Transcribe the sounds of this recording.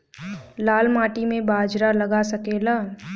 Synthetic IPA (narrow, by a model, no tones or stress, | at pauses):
laːlmaːʈimẽbaːd͡ʒɾaləɡasəkeːla